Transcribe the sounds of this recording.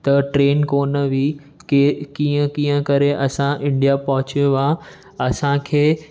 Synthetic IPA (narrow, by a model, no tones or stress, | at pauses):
t̪ɐʈɾeːnkoːnəʋi | kiːə̃kiːə̃kɐɾeʔɐsãʔɪ̃ɳɖijapɐɦʊt͡ɕoʋã | ɐsãkʰeː